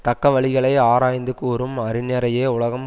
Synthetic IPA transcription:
t̪ɐkːɐʋɐɭɪɣɐɭɐɪaːɾaːjnd̪ɯkuːɾɯmɐɾɪnɛɾɐjeːʊɭɐɣɐm

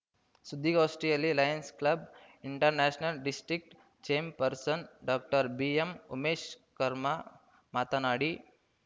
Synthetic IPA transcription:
sud̪ʱːiɡɔːsʈɾijalilaːjənsklɐb | iɳʈəɾnɛːʃnəlɖisʈɾik̚ʈ | t͡ʃeːmpəɾsənɖɔk̚ʈəɾbiemṵmeːʃkɐɾma | maːt̪anaːɽi

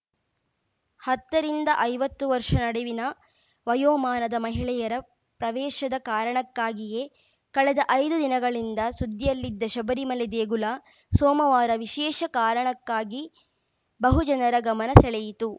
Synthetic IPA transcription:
hɐt̪ːɐɾind̪ɐʔɐjʋɐt̪ːuʋɐɾʂɐnɐɽɛʋinɐ | ʋɐjoːmaːnɐd̪ɐmɐɦiɭɛjɐɾɐ | pɾɐʋɛːʃɐd̪ɐkaːɾɐɳɐkːaːɡije̞ | kɐɭɛd̪ɐʔɐjd̪ud̪inɐɡɐɭind̪ɐsud̪ːijɐlːid̪ːɐʃɐbɐɾimɐlɛd̪eːɡulɐ | soːmɐʋaːɾɐʋiʃɛːʂɐkaːɾɐɳɐkːaːɡi | bɐɦud͡ʒɐnɐɾɐɡɐmɐnɐsɛɭɛjit̪u

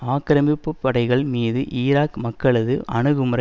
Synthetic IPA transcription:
aːkɪɾɐmbɪpːɯpːɐɽɐɪɣɐɭmiːðɯʔiːɾaːkmɐkːɐɭɐðɯɐɳɯɣɯmrɐ

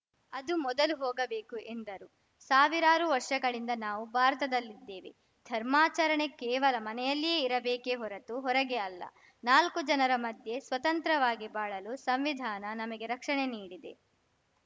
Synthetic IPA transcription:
ɐd̪umɔd̪ɐluɦɔːɡɐbeːkuʔe̞nd̪ɐɾu | saːʋiɾaːɾuʋɐɾʂɐɡɐɭind̪ɐnaːʋubʱaːɾɐt̪ɐd̪ɐlːid̪ːeːʋḛ | d̪ʱɐɾmaːt͡ʃɐɾɐɳe̞kɛːʋɐlɐmɐnɛjɐlːijeːiɾɐbeːkeɦɔɾɐt̪uɦɔɾɐɡeɐlːɐ̰ | naːlkud͡ʒɐnɐɾɐmɐd̪ʱje̞sʋɐt̪ɐnt̪ɾɐʋaːɡibaːɭɐlusɐmʋid̪ʱaːnɐnɐmɐɡe̞ɾɐkʂɐɳeniːɽid̪e̞̰

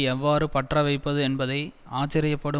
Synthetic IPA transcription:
ɛʋːaːɾɯpɐʈrɐʋɐɪpːɐðɯɛnbɐðɐɪ | aːt͡ʃːɐɾɪjɐpːɐɽɯ

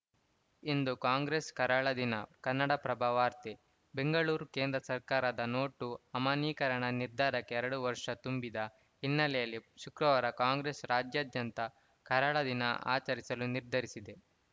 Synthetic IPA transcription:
ind̪ukaːŋɡɾeːskɐɾaːɭɐd̪inɐkɐnːɐɽɐpɾɐbʱaːʋaːɾt̪i | be̞ŋɡɐɭuːɾke̞ːnd̪ɾɐsɐɾkaːɾɐd̪ɐno̞ːʈːuɐmaniːkɐɾɐɳɐniɾd̪ʱaːɾɐkːeɛɾɐɽuʋɐɾʂɐt̪umbid̪ɐ | ɦinːɐlɛjɐlːiʃukɾɐʋaːɾɐkaːŋɡɾeːsɾaːd͡ʒjaːd̪jɐnt̪ɐ | kɐɾaːɭɐd̪inɐ̰ʔa̰ːt͡ʃɐɾisɐluniɾd̪ʱɐɾisid̪e̞

